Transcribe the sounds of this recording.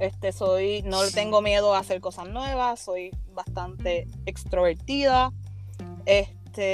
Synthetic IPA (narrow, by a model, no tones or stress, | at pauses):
est̪e̞so̞jno̞let̪e̞ŋɡo̞mje̞ðoase̞ɾko̞saznwe̞βaso̞jbast̪ant̪e̞ekst̪ɾo̞βeɾt̪iða | est̪e